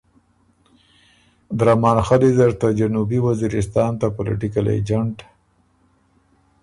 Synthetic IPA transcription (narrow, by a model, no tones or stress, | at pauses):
d̪ɾamɑːnxalid̪əɾt̪ad͡ʒanubiwaziɾɪs̬t̪ɑnt̪apolɪ̰ʈɪkalḛd͡ʒaɳʈ